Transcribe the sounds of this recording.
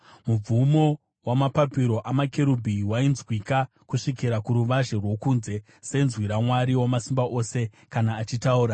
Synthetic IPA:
mub͡vumo̞ | wamapapiɾo̞ʔamake̞ɾubʱiwainzwika | kuʂikiɾakuɾuʋaʒe̞rwo̞kunze̞ | se̞nzwiɾamwaɾiwamasimbaʔo̞ːse̞ | kanaːt͡ʃitauːɾa

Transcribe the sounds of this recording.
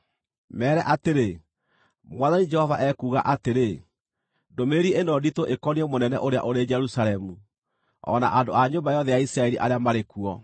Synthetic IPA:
mɛːɾɛʔateɾe | mwaðaɲid͡ʒɛhɔvaʔɛkuːɣa̰ʔateɾe | domeɾienɔditoʔekɔniɛmonɛnɛ̰ʔoɾea̰ʔoɾed͡ʒɛɾusalɛmu | ɔ̰na̰ʔandoaɲobajɔðɛjaisɾaɛɾiʔaɾeamaɾekuɔ

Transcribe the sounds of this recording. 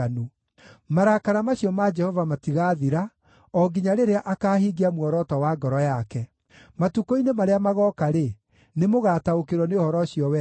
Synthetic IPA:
nu | maɾakaɾamaɕiɔmad͡ʒɛhɔvamatiɣaːðiɾa | ɔɡiɲaɾeɾeaʔakaːɦiɡeamwɔɾɔtɔwaɡɔɾɔjakɛ | matukoinemaɾeamaɣɔkaɾe | nemoɣataokeɾwɔneohɔɾɔɕjɔwɛ

